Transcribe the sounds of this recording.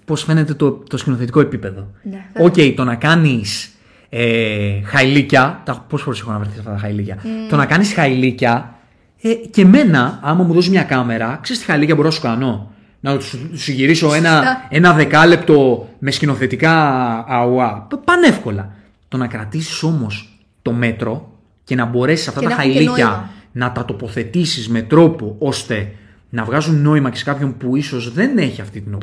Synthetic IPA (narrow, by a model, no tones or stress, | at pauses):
po̞sfe̞ne̞t̪e̞t̪ot̪o̞scino̞θe̞t̪iko̞epipe̞ðo̞oce̞it̪o̞nɐkɐnis | exɐilicɐt̪ɐpo̞zboɾese̞xonɐvɾeθisɐ̥ft̪ɐt̪ɐxɐilicɐt̪o̞nɐkɐnisxɐilicɐ | ece̞me̞nɐɐmɐmuðo̞zmɲɐkɐme̞ɾɐkse̞ɾist̪ixɐilicɐbo̞ɾonɐsu̥kɐno̞ | nɐt̪ssiʝiɾiso̞e̞nɐe̞nɐðe̞kɐle̞pt̪o̞me̞scino̞θe̞t̪ikɐː | oɐpɐne̞fko̞lɐ | t̪o̞nɐkɾɐt̪isi̥so̞mo̞s | t̪o̞me̞t̪ɾo̞ | ce̞nɐbo̞ɾe̞sisɐft̪ɐt̪ɐɐliɐnɐt̪ɐt̪o̞po̞θe̞t̪isizme̞t̪ɾo̞po̞o̞st̪e̞ | nɐvɣɐzunːo̞imɐce̞se̞kɐpço̞npuiso̞zðe̞ne̞çiɐft̪it̪inop